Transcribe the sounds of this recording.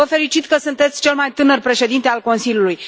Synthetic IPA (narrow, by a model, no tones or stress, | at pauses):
əfe̞ɾit͡ʃit̪kəsunt̪e̞t̪sʲt͡ʃe̞lmajt̪ɨnərpɾe̞ʃe̞d̪int̪e̞alko̞nsilʲjuluj